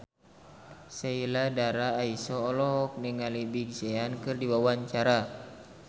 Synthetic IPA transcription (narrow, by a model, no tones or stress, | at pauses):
sailadaɾaːisɔːlɔɦɔk̚nɛŋalibiɡsɛankɨrdiwawaɲt͡ʃaɾa